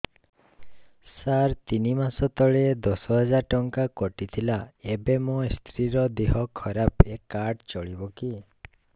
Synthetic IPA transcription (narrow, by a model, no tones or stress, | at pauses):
saɾt̪inimasɔt̪ɔɭed̪ɔsɔɦɔd͡ʒaɾʈɔŋkakɔʈit̪ʰilaebemost̪ʰɾiɾɔd̪eɦɔkʰɔɾapekːaɾʈt͡ʃɔɭibɔki